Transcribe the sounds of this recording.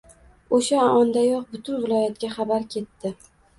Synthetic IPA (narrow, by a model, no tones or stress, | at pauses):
oʃaaɒnd̪ajɒq̚bʊt̪ʰʊnvɪlˠɒjat̪ɡʲaχɑbaɾkʲʰe̞t̪ːɪ